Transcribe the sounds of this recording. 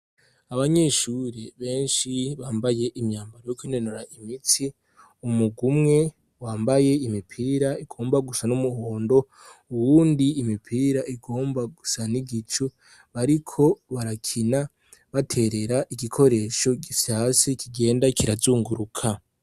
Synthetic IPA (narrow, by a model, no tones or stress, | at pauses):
aβaɲe̞ːʃuɾeβe̞ːnʃiβaːmbaje̞ʔimɲaːmbaɾojokwinenuɾaʔimiti | umuɡumŋe̞ | waːmbaje̞imipʰiːɾaiɡ̥o̞ːmbaɡusanumuhoːndo̞ | uwuːndiːmipʰiːɾaʔiɡo̞ːmbaɡusaniɡit͡ʃu | βaɾikʰo̞βaɾakʰina | βatʰe̞ɾe̞ɾaʔiɡikʰo̞ɾe̞ʃo̞ɟisasikʰiɡe̞ːndakiɾazuːŋɡuɾukʰa